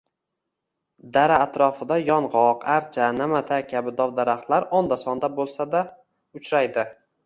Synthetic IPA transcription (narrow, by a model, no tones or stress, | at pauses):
d̪aɾaːt̪ɾɒfɪd̪ajɒɴʁɒqaɾt͡ʃʰanamat̪ʰakʲʰabɪd̪ɒwd̪aɾaχt̪laɾɒnd̪asɒnd̪abolˠsad̪a | ʊt͡ʃɾajd̪ɪ